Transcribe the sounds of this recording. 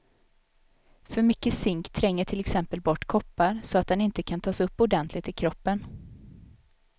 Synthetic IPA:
fœɾmʏkːəsɪŋkt̪ʰɾɛŋːəʈʰɪlɛksɛmpəlbɔʈːkʰɔpːaɾsɔat̪̚d̪ɛnɪnt̪əkʰant̪ʰɑːsɵpːʊɖɛnt̪ʰlɪɡt̪ɪkʰɾɔpːən

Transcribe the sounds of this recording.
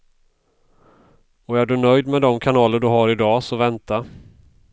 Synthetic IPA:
ɔæɖɵnœjd̪mɛd̪ɔmkʰanɑːləɖɵɦaɾɪd̪ɑːsɔvɛnt̪a

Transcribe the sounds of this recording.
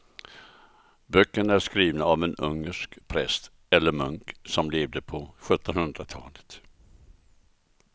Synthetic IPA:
bœkːəɳæʂkɾiːvnaavɛnɵ̰ŋːəʂkpʰɾɛst̪ | ɛlːəɾmɵŋksɔmleːvd̪əpʰɔɧɵt̪ːɔnhɵnd̪ɾat̪ʰɑ̰ːlə̥t̪

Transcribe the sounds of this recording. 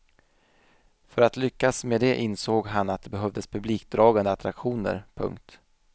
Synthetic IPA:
fœɾat̪lʏkːasmed̪ɛʔɪnsoːɡɦanat̪̚d̪ɛbɛɦœvd̪əspʰɵbliːk̚d̪ɾɑːɡand̪əat̪ʰɾakɧuːnə̰ɾpʰɵ̰ŋk̚t̪

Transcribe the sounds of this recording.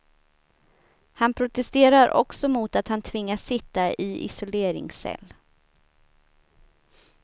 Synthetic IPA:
hanpʰɾʊt̪ɛst̪eːɾaɾʔɔ̰ksɔmuːt̪at̪hant̪ʰvɪŋːasːɪt̪ːaʔɪʔɪ̰sʊleːɾɪ̰ŋsɛ̰lː

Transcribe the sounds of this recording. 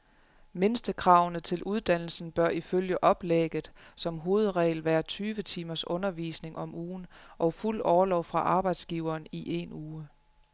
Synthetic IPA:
me̝nsd̥əkʰʁɑ̈ʊnət͡sʰe̝lʔuð̞ˠd̥æn̰l̩sn̩b̥ɶɐʔiføljəʔɒ̽b̥leɡ̥ð̩ˠsɒ̽mɦo̝ːð̞̩ˠʁɛ̰ːɪlʋæːɐt͡sʰyːʋət͡sʰiːmɐsɔ̽nɐʋḭːsne̝ŋʔɒ̽muːnʔɒ̽ʊful̰ɒːɐlɒʊfʁɑ̈ʔɑ̈ːb̥ɑ̈ɪd̥sɡ̥iʊɐːniʔe̝nuː

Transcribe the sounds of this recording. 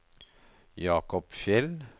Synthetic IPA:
jɑːkɔpʃɛl

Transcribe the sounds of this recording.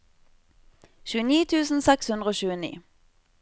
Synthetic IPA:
ʃʉːəniːt̪ʰʉːsn̩sɛkshʉnd̪ʁəoːɕʉːənḭː

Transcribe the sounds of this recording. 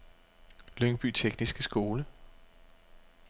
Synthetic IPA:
løŋb̥y̰ːt͡sʰeɡ̥nisɡ̥əsɡ̥o̝ːlə

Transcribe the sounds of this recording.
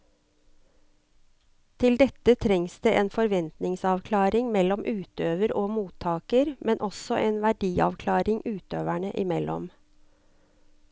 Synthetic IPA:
t̪ʰɪld̪ɛt̪ət̪ʰɾɛŋsd̪̥eːʔeːnfɔɾʋɛnt̪nɪŋsɑʋkʰlɑːɾɪŋmɛlɔmʔʉːt̪øːʋəɾoːmuːt̪ʰːɑːkəɾmɛnʔɔsɔʔeːnʋæɖiːɑ̰ʋkʰlɑːɾɪŋʔʉːt̪øːʋæɳə̰ʔɪmɛlʔɔ̰m

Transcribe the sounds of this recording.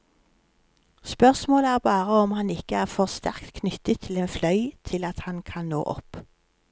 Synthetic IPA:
spœʁsmoːləæːʁbɑːʁəɔmhɑnɪkəæːʁfɔʁst̪æʁkt̪kʰnʏt̪ət̪ʰːɪleːnflœʏt̪ʰɪlɑt̪hɑnkʰɑnno̰ːʔɔ̰p

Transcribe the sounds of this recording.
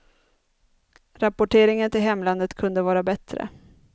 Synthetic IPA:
ɾapʊʈʰeːɾɪŋənt̪ɪlɦɛmːland̪ət̪kʰɵnd̪əvɑːɾabɛt̪ɾə̰

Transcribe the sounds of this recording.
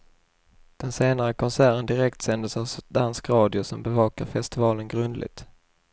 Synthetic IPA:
d̪̥ɛnseːnaɾəkʰɔnsæːɾənd̪ɪɾɛkt̪sɛnd̪əsavsd̪anskɾɑːd̪ɪʊsɔmbɛvɑːka̰ɾfɛst̪ɪvɑːlənɡɾɵnd̪lʔɪ̰ɡ̚t̪

